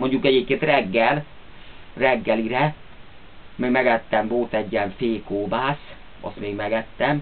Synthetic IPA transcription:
mo̞ɲɟukɛɟeːp̚keːnt̪rɛɡːɛl | rɛɡːɛliɾɛ | meːɡmɛɡɛt̪ːɛmvo̞lt̪ɛɟːiɛɱfeːkoːbaːs | ɒ̰st̪meːɡmɛɡɛt̪ːɛm

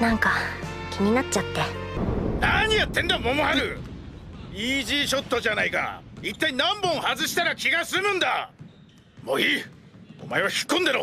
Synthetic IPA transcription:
nãŋkakʲʰiɲʲinat͡ɕːat̪ːe̞naɲ̟ijat̪ːẽ̞nd̪amomohaɾɯ | iʑiːɕo̞t̪ːo̞ʑanaika̰it̪ːainãmbõ̞ɰ̃hazɨɕi̥t̪aɾakʲiɡasɨmɯ̟̃nd̪a | mo̰ːiːo̰mae̞βaçi̥kːõnd̪eɾo

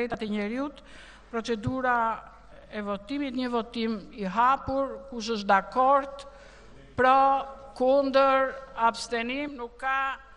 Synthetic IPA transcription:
ɛt̪at̪ɛɲɛɾiut̪ | pɾɔt͡sɛd̪uɾa | ɛvɔt̪imit̪ɲəvɔt̪imiɦapuɾkuʃ̬əʃ̬d̪akɔɾt̪ | pɾɔkund̪əɾafst̪ɛnimnukːa

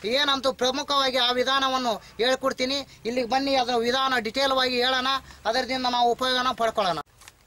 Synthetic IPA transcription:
eːnɐnt̪upɾɐmukʰɐʋaːɡiaːʋid̪ʱaːnɐʋɐnːu | eːɭkoɽt̪iːniilːiɡɐbɐnːiɐd̪ɐɾɐʋid̪ʱaːnɐɖiʈeːlʋaːɡieːɭɐnɐɐd̪ɐɾɐd̪ind̪ɐnaːʋuːpɐjoːɡɐnɐpɐɽkɔɭɐnɐ

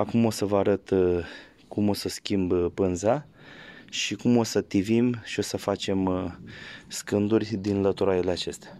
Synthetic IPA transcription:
akumo̞səvəaɾət̪ | kumo̞səskʲimbpɨnza | ʃikumo̞sət̪ivimʃio̞səfat͡ʃe̞m | skɨnd̪urʲd̪inlət̪uɾaileat͡ʃe̞st̪a

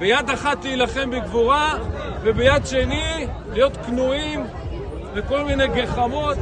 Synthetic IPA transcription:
bejad̪aχat̪lijlaχe̞mbeɡvuʁavebejad̪ʃeni | lijo̞t̪knuim | veko̞lminejɡeχamo̞t̪

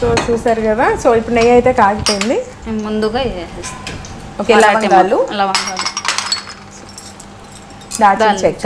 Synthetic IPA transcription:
soːt͡ʃuːsaːɾukɐd̪aːsoːipːuɽneːjɐjt̪e̞ːkaːɡipoːjind̪imund̪uɡaelesoːkelɐʋɐŋɡalːulɐʋɐŋɡalu | d̪aːʈit͡ʃekt͡ʃ

